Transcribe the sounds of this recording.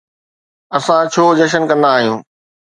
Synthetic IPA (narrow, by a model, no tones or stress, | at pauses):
ɐsãt͡ɕʰoːd͡ʑɐʃ̬ənkɐ̃nd̪aːɦijũː